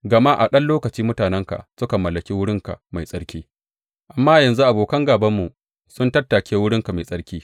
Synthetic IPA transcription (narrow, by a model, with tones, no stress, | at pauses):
ɡɐ˨ma˦ʔa̰˨ɗɐ˦nloː˦kɐ˨t͡ʃiː˦mʊ˦taː˨nɛ˦ŋka̰˨ʔsʊ˦ka˨mɐ˨lːɐ˨kʲiː˦wʊ˦ɽɪ˦ŋka̰˨ma˨jsʼɐ˦ɽkʲiː˦ | ʔa˨mːaː˦jɐ˨nzu˦ʔa˨boː˨kɐ˦ŋɡaː˨bɐ˦mːu˨ | sʊ˦ntɐ˦tːa˨kʲeː˦wʊ˦ɽɪ˦ŋka˨ma˨sʼɐ˦ɽkʲiː˦